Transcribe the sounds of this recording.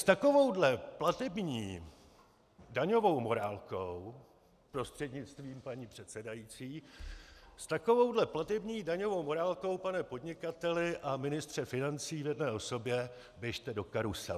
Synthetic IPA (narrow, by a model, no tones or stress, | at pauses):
st̪ako̞vo̞wdlɛplat̪ɛbɲiː | daɲo̞vo̞wmo̞ɾaːlkow | pɾo̞st̪r̥ɛdɲɪt͡st̪viːmpaɲiːpr̝̥ɛt̪sɛdajit͡siː | st̪ako̞vo̞wdlɛplat̪ɛbɲiːdaɲo̞vo̞wmo̞ɾaːlko̞wpanɛpo̞dɲɪkat̪ɛlɪʔamɪnɪst̪r̝̥ɛfɪnant͡siːvjɛdnɛːʔoso̞bjɛ | bjɛʃt̪ɛdo̞kaɾusɛ